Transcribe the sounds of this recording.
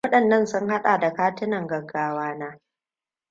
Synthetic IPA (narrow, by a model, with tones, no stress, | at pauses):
ɐ˦ɗɐ˨nːɐ˦nsʊ˦ŋha˦ɗaː˨da˨kaː˦tɪ˦nɐ˨ŋɡɐ˨ɡːaː˦waː˦naː˦